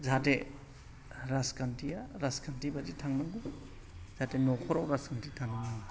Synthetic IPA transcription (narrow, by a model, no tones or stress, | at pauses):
zate | ɾaskʰantʰijaɾaskʰantibad͡ʒitʰaŋnaŋɡu | z̥atenɔkʰɔɾawɾaskantitʰaŋna